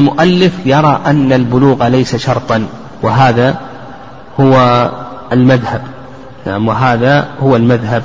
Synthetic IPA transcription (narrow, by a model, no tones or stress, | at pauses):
lmʊʔalːɪfjɑɾˤɑʔanːalbʊluːɣalajsaʃɑɾˤt̪ˤɑn | wɪɦaːða | hʊwa | lmaðhab | naʕamwɪɦaːðahʊwalmaðɦab